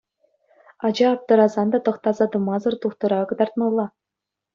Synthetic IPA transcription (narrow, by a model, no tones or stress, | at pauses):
ɑd͡ʑɑːp̚t̪ɤ̆ɾɑzɑnd̪ɑt̪ɤ̆χt̪ɑzɑd̪ɤ̆mɑzɤ̆rt̪uχt̪ɤ̆ɾɑkɤ̆d̪ɑrt̪̚mɑlˠːɑ